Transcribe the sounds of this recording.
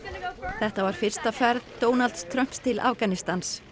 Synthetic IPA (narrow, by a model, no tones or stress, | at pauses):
θɛht̪avaɾ̥fɪr̥st̪afɛɾðt̪oːwnalt̪st̪ʰɾœm̥pst̪ʰɪla̰fkanist̪ans